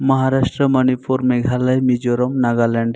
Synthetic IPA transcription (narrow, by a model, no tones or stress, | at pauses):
məɦaɾaʃʈɾəmənipʰuɾmeɡʱalajmid͡ʒoɾɔmnaɡaleɳɖ